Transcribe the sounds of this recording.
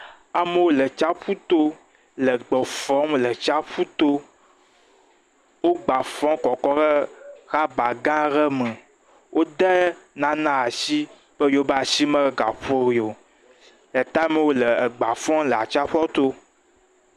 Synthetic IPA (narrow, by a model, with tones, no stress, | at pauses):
a˨me˨wo˦lə˨t͡ʃa˦ɸu˦t̪o˦ | lə˨ɡ͡bɔ˨fɔ̃˦mlə˨t͡ʃa˦ɸu˦t̪o˦ | wo˦ɡ͡ba˨fɔ̃˦kɔ˨kɔ˦ɣə˦xa˦ba˨ɡã˦ɣə˦mə̃˨ | wʔo˦d̪ɛ˦nã˦nã˦a˨si˦ | b̥ə˦jo˦ba˨si˦mə̃˦ɡa̰˨ɸo˦ɾi˨o˨ | lə˨t̪a˦me˨wo˦lə˨ə˨ɡ͡ba˨fɔ̃˦lə˨a˨t͡ʃa˦ɸɔ˦t̪o˦